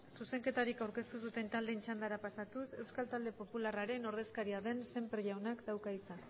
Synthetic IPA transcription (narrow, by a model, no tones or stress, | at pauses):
suse̞ŋke̞t̪aɾikawɾke̞st̪usut̪e̞nt̪ald̪e̞nt͡ʃand̪aɾapasat̪use̞wskalt̪ald̪e̞po̞pularaɾe̞no̞ɾðe̞skaɾiaðe̞nse̞mpɾʝawnakd̪awkait͡sa